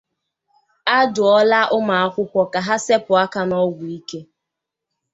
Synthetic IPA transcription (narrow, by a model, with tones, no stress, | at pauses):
a˦dʊ˨ɔ˦la˦ʔʊ˦ma˨a˦kʷʊ˦kʷɔ˦ka˨ɦa˦se˦pʊ˨a˦ka˦nɔ˦ɡʷʊ˨i˦ke˦